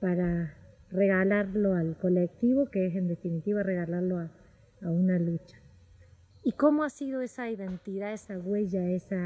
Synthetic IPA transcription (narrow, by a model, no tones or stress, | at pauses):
paɾareɣalaɾlo̞alko̞lek̚t̪iβo̞keesend̪e̞finit̪iβare̞ɣalaɾloaː | unalut͡ʃḁ | iko̞moasið̞o̞e̞saiðe̞nt̪iðaesaɣwe̞ʝaesa